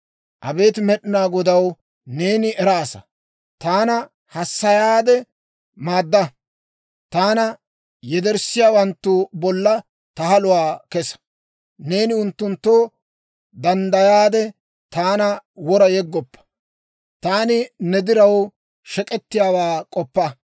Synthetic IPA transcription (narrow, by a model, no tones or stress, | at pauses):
ʔɐbe̞ːt̪ɪmɛɗɪnaːɡɔd̪ɐw | ne̞ːnɪʔɛɾaːsɐ̰ | t̪aːnɐ | hɐsːɐjaːd̪ɛ | maːd̪ːɐ | t̪aːnɐ | jɛd̪ɛɾsɪjaːwɐnt̪ːʊbɔlːɐ | t̪ɐhɐlʊwaːkɛsɐ̥ | ne̞ːnɪʊnt̪ːʊnt̪ːoː | d̪ɐnd̪ɐjaːd̪ɛ | t̪aːnɐwɔɾɐjɛɡːɔpːɐ̥ | t̪aːnɪnɛd̪ɪɾɐw | ʃɛkʼɛt̪ːɪjaːwaːkʼɔpːɐ